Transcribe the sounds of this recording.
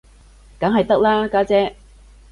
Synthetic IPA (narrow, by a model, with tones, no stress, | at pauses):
kɐ˨˥ŋɦɐ˨jt̪ɐ˥k̚laː˥kaː˥t͡sɛː˦˥